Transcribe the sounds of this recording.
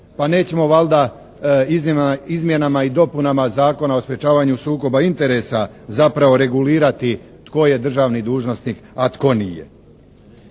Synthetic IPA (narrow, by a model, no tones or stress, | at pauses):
pane̞ːt͡ɕe̞mo̞ʋalˠd̪a | izizmje̞namaid̪o̞punamazaːko̞nao̞spɾje̞t͡ʃaːʋaɲusuːko̞baint̪e̞ɾe̞sazapɾaʋo̞ɾe̞ɡuliːɾat̪i | t̪ko̞je̞d̪r̩ʒaːʋnid̪uːʒno̞sniːkat̪ko̞nije̞̰